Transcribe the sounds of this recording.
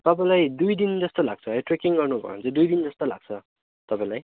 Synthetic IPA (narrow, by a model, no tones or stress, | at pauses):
t̪ʌpãĩlajd̪ujd̪ind͡zʌst̪ola̰ɡ̚t͡sʰʌɦʌjʈrekiŋɡʌrnubʱʌ̰o̰nt͡sʰʌd̪ujd̪ind͡zʌst̪ola̰ɡ̥̚t͡sʰʌ | t̪ʌpãĩlaj